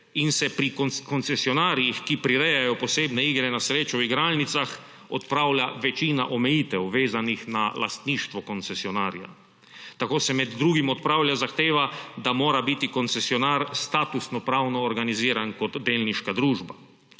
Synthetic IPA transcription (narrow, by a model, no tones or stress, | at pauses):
insɛpɾikkɔnt̪sɛsiɔnaːɾijixkipɾiɾɛjajɔpɔseːbnɛiːɡɾɛnasɾeːt͡ʃɔwiɡɾaːlnit̪sax | ɔt̪pɾaːwlaʋɛt͡ʃiːna̰ʔɔmɛjiːt̪ɛwʋeːzanixnala̰st̪niːʃt̪ʋɔkɔnt̪sɛsiɔnaːɾja̰ | t̪akoːsɛmɛd̪ːɾuːɡimɔt̪̚pɾawljazaxt̪eːʋad̪amoːɾabit̪ikɔnt̪sɛsiɔnaːɾst̪aːt̪usnɔpɾawnɔːɾɡaniziːɾankɔt̪d̪eːlniʃkad̪ɾuːʒba